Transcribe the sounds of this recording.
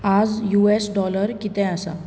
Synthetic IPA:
ad͡zjuesɖɔləɾkit̪ɛ̃asa̰

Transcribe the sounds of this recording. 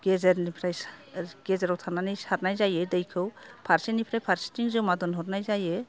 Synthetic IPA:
ɡ̥ɛzɛɾnipʰɾajsɡ̥ɛzɛɾɔwt̪ʰananijsaɾnajzajɯdejkʰɯwpʰaɾsinipʰɾajpʰaɾsi̥tiŋzɯwmad̪ɔnɦɔɾnajzajɯ

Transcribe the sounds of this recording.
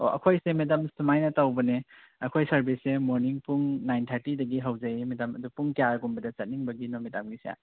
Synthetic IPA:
o̰ʔɐ̰kʰojsemetamsumajnɐtawbɐne | ɐkʰojsɐɾbisːemoɾniŋpuŋnajntʰaɾtidɐɡiɦawzajimedamɐdupuŋkijaɾɡumbɐdɐt͡ʃɐt̚niŋbɐɡinomitamɡisija̰

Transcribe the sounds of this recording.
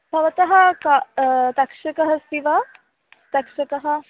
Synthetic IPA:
bʱɐʋɐt̪ɐɦɐkat̪ɐkʂɐkɐɦɐsiʋɐ | t̪ɐkʂɐkɐɦɐ

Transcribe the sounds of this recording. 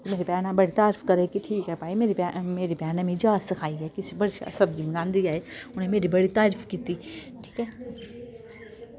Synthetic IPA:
t̪meːɾibaːnabɐɽit̪aːɾfkɐɾekiʈʰiːkɦɛpaːimeːɾibmeːɾibʱjaːnãmĩd͡ʒaːsɐkʰaːiɦɛkisbɐɽʃa̰sɐbd͡ʒimɡãːnd̪iaːeʊnɦẽmeːɾibɐɽit̪aːɾfkiːt̪i | ʈʰi̥ːkɦɛː

